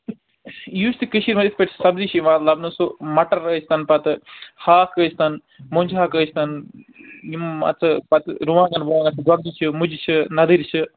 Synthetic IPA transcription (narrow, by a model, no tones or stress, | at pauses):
juːst̪ikɨʃiɾmɐd̪ifpeʈsʰsɐbzit͡ʃʰiʋaːt̪lɐbnusumɐʈɐɾəːsʰt̪ɐnpɐt̪ɨhaːkəːsʰt̪ɐn | moɲʲt͡ʃʰɦaːkəːt͡ʃʰt̪ɐn | imɐ̰t͡sʰɨpɐt̪ɨɾuʋaːŋɡɐnbuʋaːŋɡɐt͡sʰɨɡwɐɡ̪̚it͡ʃʰɨmud͡ʒit͡ʃʰɨnɐd̪iɾit͡ʃʰɨ